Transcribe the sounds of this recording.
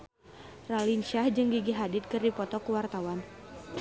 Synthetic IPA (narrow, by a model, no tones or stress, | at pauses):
ralinʃahd͡ʒɨŋɡiɡiɦadɪt̪̚kɨrdipɔt̪ɔkuwart̪awan